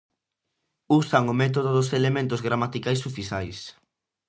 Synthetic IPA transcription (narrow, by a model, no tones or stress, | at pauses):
usaŋʊmɛt̪̬oðoðʊselemẽnt̪ozɣɾamat̪ikajsufisajs